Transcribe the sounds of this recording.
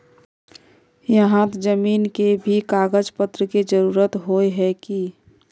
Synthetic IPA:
jəɦãt̪d͡ʒəmiːnkebʱikaːɡəd͡ʒpət̪ɾəked͡ʒəɾuːɾət̪ɦoːeɦɛki

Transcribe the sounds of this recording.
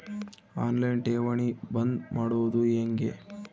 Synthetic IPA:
aːnlɐjnʈeːʋɐɳibɐnd̪maːɽud̪ueːŋɡḛ

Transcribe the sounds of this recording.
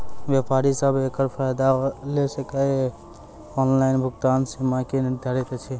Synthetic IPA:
bjapaɾisəbekəɾpʰajd̪alesəkə | ɔnlaɪnbʱuɡt̪ansimakeniɾd̪ʱəɾɛt̪et͡ʃʰi

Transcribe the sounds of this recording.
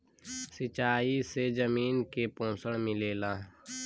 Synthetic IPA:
sɪt͡ʃaːisezəmiːnkepõːsəɽmɪleːlaː

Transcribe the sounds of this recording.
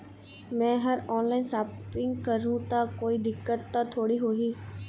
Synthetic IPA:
mɛ̃ːɦɐɾɔːnlaːɪnsaːpɪ̃ŋɡkəɾũt̪akoːid̪ɪkːət̪̚ːat̪ʰoːɽiɦoːɡiː

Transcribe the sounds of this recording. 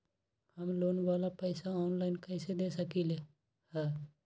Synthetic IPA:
həmloːnʋaːlapəɪsaɔːnlaɪnkɛɪsed̪esəkile | hɛ̃ː

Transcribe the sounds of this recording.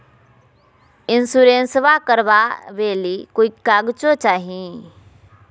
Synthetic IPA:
ɪnsuɾẽnsʋakəɾʋaʋeːlikoikaːɡt͡ʃot͡ʃaːɦĩ

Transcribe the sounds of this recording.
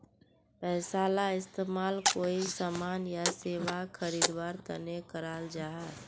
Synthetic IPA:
pɛːsaːlaɪst̪eːmaːlkoːisamaːnjaseːwakʰəɾiːd̪waːɾt̪ə̰nekəɾaːld͡ʒaɦa

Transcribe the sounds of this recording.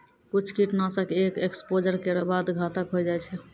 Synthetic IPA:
kut͡ʃʰkiʈnasə̃kekekspod͡ʒəɾkeɾəbad̪ɡʱat̪əkɦojd͡ʒajt͡ʃʰɛ

